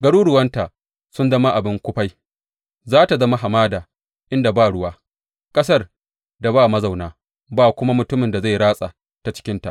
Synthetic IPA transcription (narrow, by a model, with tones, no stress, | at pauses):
ɡɐ˦ɽuː˦ɽʊ˨wɐ˦nta˨ | sʊ˦nzɐ˦ma˦ʔa˨bɪ˦ŋkʷʊ˦ɸa˦j | zaː˦ta˨zɐ˦ma˦ɦa˨maː˦daː˨ | ʔɪ˦nda˨baː˦ɽʊ˦waː˦ | kʼɐ˦s̬ɐ˦r | da˨baː˦˨mɐ˦za˨wnaː˦ | baː˨kʷʊ˦ma˦mʊ˨tʊ˦mɪ˨nda˨za˦˨jɽaː˦sʼa˨ | ta˨t͡ʃɪ̥˦kʲɪ˦nta̰˨ʔ